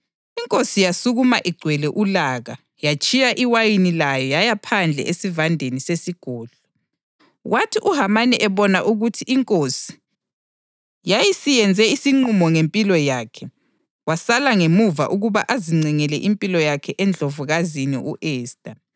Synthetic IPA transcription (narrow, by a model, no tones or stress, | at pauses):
iŋkʼosijasuɣumaʔiɡ͡ǀʱwɛlɛʔulaɣa | jat͡ʃʼijaʔiwajinilajɔjajapʰand͡ɮʱɛ̰ʔesivandʱenisesiɡ̥ʱɔːɮɔ | wʔatʰiʔuɦamaniʔɛβɔnaʔuɣutʰiʔːŋkʼosi̥ | jajisijɛnd͡zʱɛisiŋ͡ǀumɔŋempʼilɔjakʰɛ | wasalaŋemuva̰ʔuɣuβa̰ʔaziŋ͡ǀʱɛŋɛlɛ̰ʔimpʼilɔjakʰɛʔɛnd͡ɮʱovuɣazinḭʔuʔɛːstʼa